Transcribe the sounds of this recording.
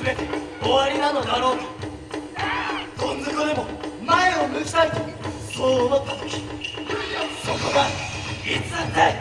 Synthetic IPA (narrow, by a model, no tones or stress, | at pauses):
ɨbet̪ʲe | oβaɾʲinanod̪aɾoːk̪i | kõnzɨkoɾemomaeomɯ̟ki̥t̪aɾʲit̪o | soːd̪at̪ːat̪o̥kʲi̥ | sokoɡait͡sɨe